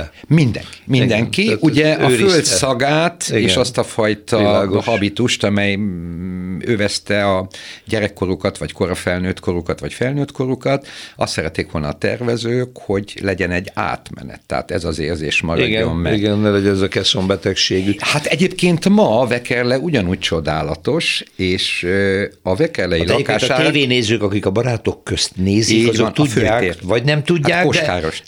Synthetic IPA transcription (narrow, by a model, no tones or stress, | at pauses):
mind̪ɛ̰ŋki̥mind̪ɛŋkiuɟɛʔɒøːɾifølt̪sɒɡaːt̪eːʃɒst̪ɒfɒjt̪ɒhɒbit̪uʃt̪ɒmɛj | øːvɛst̪ɛɒɟɛɾɛkːo̞ɾukɒt̪ʋɒcko̞ɾɒfɛlnøːt̪kʰo̞ɾukɒt̪ʋɒcfɛlnøːt̪ko̞ɾukɒt̪ɒst̪sɛɾɛt̪ːeːkʋo̞lnɒ̰ːt̪ɛ̰rvɛzøːkho̞ɟlɛɟɛnɛɟːa̰ːt̪mɛ̰nɛ̰t̪ːɛ̰ɦa̰ːt̪ɛzɒzeːrzḛːʃmɒ̰ɾiɡɛomːɛiɡɛnːɛlɛɟɛnɛzɒkɛsombɛt̪ɛkʃeːɡyhat̪ɛɟeːpkeːnt̪mɒvɛkɛrlɛuɟɒnuːc̚t͡ʃo̞d̪aːlɒt̪o̞ʃeːʃ | ɒvɛkɛrlɛjilɒekaːʃaːeːveːneːzøːkɒkikɒbɒɾaːt̪o̞kːøst̪neːziɒznt̪uɟføːaːeːvɒɟnɛmt̪uɟaːaːkod̪kaːɾo̞ʃ